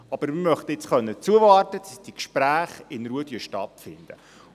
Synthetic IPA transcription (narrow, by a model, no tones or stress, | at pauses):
ɑb̥əɾmɪmœχt̪əɪt͡sχœnːət͡suəvɑːrtəd̥ɑsd̥ikʃpɾæːχɪnɾuədjøʃtɑtfɪ̰nd̥̪ə